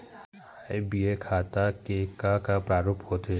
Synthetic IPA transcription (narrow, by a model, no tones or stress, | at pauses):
ajbiekʰaːt̪akekakapɾaːɾoːphoːt̪e